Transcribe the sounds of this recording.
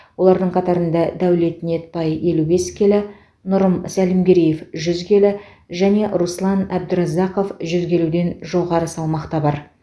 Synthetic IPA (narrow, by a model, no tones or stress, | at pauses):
wo̞lˠɑɾd̪əɴqʰɑt̪ɑɾənd̪ɑd̪æwle̞t̪ɪne̞t̪̚pɑje̞lube̞skʲʰe̞lɪ | nʊɾəmsælɪmɡʲe̞ɾijefʒʏzɡʲe̞lɪ | ʒæne̞ʔɾuslˠɑnæb̚d̪ʏɾɑzɑqo̞fʒʏzɡʲe̞lud̪e̞nʒo̞ʁɑɾəsɑlˠmɑqt̪ɑbɑɾ